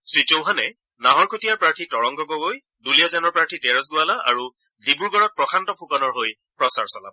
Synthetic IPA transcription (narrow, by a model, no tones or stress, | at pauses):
sɹit͡ʃowɦanɛ | naɦɔɹkʰotijaɹpɹaɹtʰitɔɹɔŋɡɔɡɔɡoj | dulijazanɔɹpɹaɹtʰitɛɹɔsɡʊalaʔa̰ɹu | dibuɹɡɔɹɔt̚pɹɔkʰantɔpʰukɔnɔɹɦoj | pɹɔsaɹsɔla̰bɔ